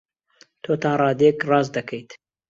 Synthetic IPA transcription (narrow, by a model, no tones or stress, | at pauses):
t̪ʰoːt̪ɑːnrɑːd̪ekrɑːzd̪ɐkʰɐjt̪